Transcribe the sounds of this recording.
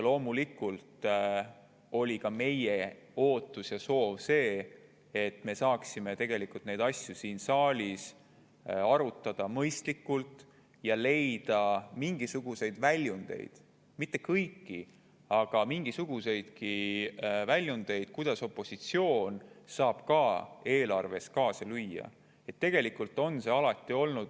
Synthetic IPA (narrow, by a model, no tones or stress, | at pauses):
lo̞ːmulikːult̪ | o̞lʲikɑme̞je̞o̞ːt̪ːˑusjɑso̞ːvse̞ː | t̪ːme̞sɑːksime̞t̪e̞ɡ̥e̞likult̪ne̞jd̪ɑsʲjusiːnsɑːlʲis | ɑɾut̪ˑːɑd̪̥ɑmɤjst̪likːˑult̪ | jɑle̞jd̪̥ɑmiŋɡ̥isuɡ̥use̞jd̪̥vælʲjund̪̥e̞̰jd̪̥ | mit̪ːˑe̞kɤjkːi | ɑɡ̥ɑmiŋɡ̥isuɡ̥use̞jd̪̥ki | vælʲjund̪̥e̞jd̪̥̚kujd̪̥ɑso̞pːˑo̞sit̪sio̞ːnsɑːb̥kɑːe̞ːlɑrve̞skɑːsɑlyjːɑ̰ | e̞t̪ːe̞ɡ̥e̞likult̪ːˑo̞nse̞ɑlɑt̪ːˑio̞lnud̪̥